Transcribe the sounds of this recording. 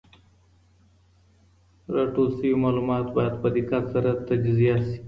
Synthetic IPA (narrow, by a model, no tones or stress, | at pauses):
ɾaʈosimɑlumɑːt̪bɑjad̪̚pəd̪ɪkat̪saɾat̪ad͡ʒzijasi̥